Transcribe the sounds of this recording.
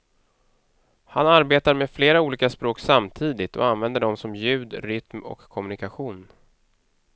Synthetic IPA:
hanaɾbeːt̪aɾmefleːɾauːliːkaspɾoːksamt̪ʰiːd̪ɪt̪ɔ̰anvɛnd̪əɖɔmsɔmjʉ̟ːd̪ɾʏt̪mɔ̰kʰːɔmɵnɪkaɧuːn

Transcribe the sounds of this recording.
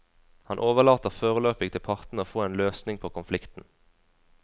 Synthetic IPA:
hɑnʔoːʋəʁlɑːt̪əʁfoːʁəløːpɪt̪ʰɪlpʰɑʁt̪n̩əoːfoːeːnløːsnɪŋpʰoːkʊnflɪkt̪n̩

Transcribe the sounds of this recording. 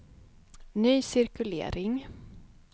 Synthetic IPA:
nyːsɪɾkɵlḛːɾɪŋ

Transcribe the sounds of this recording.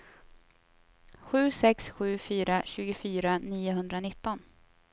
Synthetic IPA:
ɧʉ̟ːsɛksɧʉ̟ːfyːɾaɕʉ̟ːɡʊfyːɾaniːʊɦɵnd̪ɾanɪt̪ːɔn

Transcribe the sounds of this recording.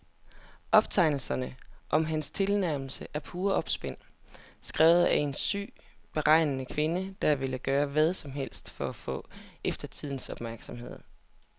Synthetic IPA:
ʔɒ̽b̥̚t͡sʰɑ̈ɪnl̩sɐnəʔɒ̽mɦænst͡sʰe̝lnæɐ̰ml̩səʔæɐpʰuːɐɒ̽b̥sb̥en̰sɡ̥ʁɛːʊð̩ˠæe̝nsy̰ː | b̥e̝ʁɑ̈ɪ̰nənəkʰʋe̝nəd̥ɑ̈ʋe̝ləɡ̥ɶːɐʋæð̞ˠsɒ̽mɦel̰sd̥fɒæfɔ̰̽ːefd̥ɐt͡sʰið̞̰ˠn̩sɒ̽b̥mæɐɡ̥sɒ̽mhe̝ð̞̰ˠ

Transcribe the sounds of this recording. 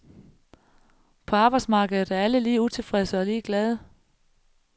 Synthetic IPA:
pʰɒ̽ɑ̈ːb̥ɑ̈ɪd̥smɑ̈ːɡ̥əð̩ˠð̩ˠæɐæləliːut͡sʰe̝lfʁɛsəɒ̽liːɡ̥lɛð̞ˠə

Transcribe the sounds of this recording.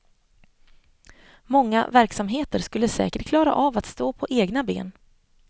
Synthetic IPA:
mɔŋːa̰væɾksamɦeːt̪əɾʂkɵlːəsɛ̰ːkəʈkʰlɑːɾa̰ʔavat̪st̪oːpʰɔʔeːɡnabḛːn

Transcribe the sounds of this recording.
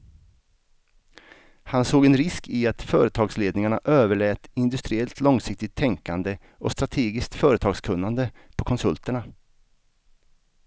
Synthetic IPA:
hansoːɡɛnɾɪskɪat̪fœ̰ːɾət̪ʰɑːɡsleːd̪nɪŋaɳaʔøːvəɭɛːt̪ɪnd̪ɵst̪ɾɪɛlt̪lɔŋsɪk̚t̪ɪt̪ʰːɛŋkand̪ə | ɔst̪ɾat̪ʰeːɡɪskt̪fœːɾət̪ʰɑːɡskʰɵnːand̪əpʰɔkʰɔnsɵlt̪əɳa

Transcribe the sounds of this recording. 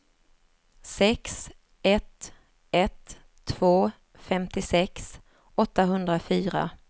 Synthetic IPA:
sɛks | ɛt̪ | ɛt̪ʰː | v̥oː | fɛmt̪ɪsɛks | ɔt̪ːaɦɵnd̪ɾafyːɾa̰

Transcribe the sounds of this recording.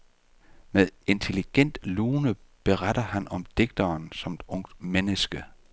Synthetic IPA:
meðˠe̝nt͡sʰe̝liɡ̥en̰d̥luːnəb̥e̝ʁadɐhænɒ̽md̥e̝ɡ̥̚d̥ɐːnsɒ̽med̥ɔ̽ŋ̰d̥menəsɡ̥ə

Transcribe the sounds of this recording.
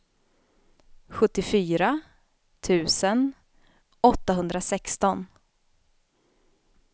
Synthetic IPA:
ɧɵt̪ːɪfyːɾa | t̪ʰʉ̟ːsən | ɔt̪ːaɦɵnd̪ɾasɛkst̪ɔn

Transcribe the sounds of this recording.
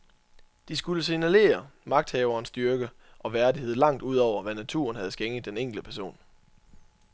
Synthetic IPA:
d̥isɡ̥uləsinæle̝̰ːɐmɑ̈ɡ̥̚d̥hɛːʊɐːnsd̥ɶɐɡ̥ə | ʔɒ̽ʋæɐdie̝ð̞̰ˠlɑ̈ŋ̰d̥uð̞̰ˠɒʊ̰ɐʋænæt͡sʰṵɐnhæð̞̩ˠsɡ̥eŋð̩ˠd̥eneŋ̰ɡ̥l̩̥əpʰæɐso̝̰ːn

